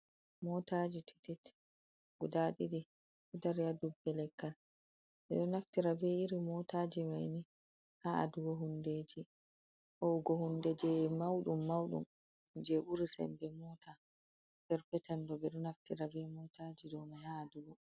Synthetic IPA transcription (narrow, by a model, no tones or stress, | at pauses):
mɔtad͡ʒitɛ̥tɛt | ɡudaɗiɗi | ɛdaɾiadubːɛlɛkːal | ɓɛ̰ɗɔnaftiɾabɛiɾimɔtad͡ʒimajni | haa̰duɡɔɦundeːd͡ʒi | ʔɔɡɔhundɛd͡ʒɛmawɗumːawɗṵm | d͡ʒebuɾisɛ̰mbɛmɔta | bɛɾpɛtɛndɔbɛɗɔnaftiɾabɛmɔtad͡ʒidɔmahaːduɡɔ